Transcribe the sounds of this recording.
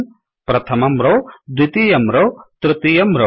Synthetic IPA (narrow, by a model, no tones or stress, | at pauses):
m | pɾɐt̪ʰɐmɐmɾod̪wit̪ijɐmɾoːt̪ɾɨt̪ijɐmɾo